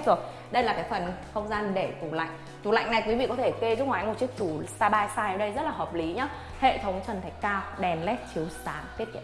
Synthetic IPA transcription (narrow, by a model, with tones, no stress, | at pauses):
zɨ˨˩k̚ | ɗə˧jlaː˨˩kaː˨˦jfə˨˩nxə˧wŋ͡mzaː˧nɗe˧˩ku˨˩ŋ͡mla̰˧˨jŋ̟ | t̪ṵ˨˩la̰˧˨jŋna˨˩jkwi˨˦vḭ˧˨kɔ˨˦t̪ʰe˧˩ke˧zu˦˥k̚waː˨˦jmo˨˩t̚t͡ɕi˦˥ək̚t͡ɕu˧˩saː˧ɓaː˧jsaː˧jʔə˨˧˩ɗə˧jzə˦˥t̚laː˨˩ɦəː˨˩p̚li˨˦ɲaː˨˦ | hḛ˧˨t̪ʰə˨˦wŋ͡mt͡ɕə˨˩nt̪ʰa˨˩jkaː˧wɗɛ˨˩nlɛ˦˥t̚t͡ɕi˨˦əwsaː˨˦ŋt̪i˦˥ət̚kḭ˧˨